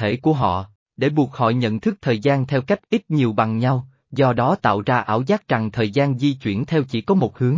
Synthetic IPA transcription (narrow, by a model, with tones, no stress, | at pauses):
e˧˩ku˧˩əɦɔ̰˧˨ | ɗe˧˩ɓu˨˩ək̚hɔ̰˧˨jɲə̰˧˨nt̪ʰɨ˦˥k̚t̪ʰəː˨˩jzaː˧nt̪ʰɛ˧wka˦˥jk̟̚ʔi˦˥t̚ɲi˨˩əwɓa˨˩ŋɲa˧w | zɔ˧ɗɔ˨˦t̪a̰ː˧˨wzaː˧ʔaː˧˩wzaː˦˥k̚t͡ɕa˨˩ŋt̪ʰəː˨˩jzaː˧nzi˧t͡ɕwḭ˧˩ənt̪ʰɛ˧wt͡ɕḭ˧˩kɔ˨˦mo˨˩t̚hɨ˨˦əŋ